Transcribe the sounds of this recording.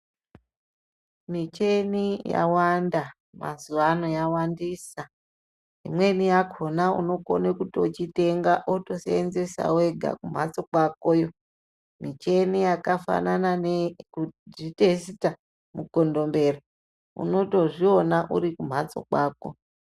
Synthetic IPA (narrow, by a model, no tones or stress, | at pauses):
mit͡ʃe̞nija̰wanda | ma̰zuʋano̞jawandiːsa | imwe̞nijakʰo̞naṵno̞ko̰nekutot͡ʃite̞ŋɡaʔoto̞seenze̞sa̰we̞ɡʱa̰kum̤at͡so̞kwakojo̞ | mit͡ʃe̞nijakafa̰nananekudite̞sta | mukondo̞mbe̞ra | ṵno̞to̞ʐio̞naʔuɾikum̤at͡so̞̰kwaːko̰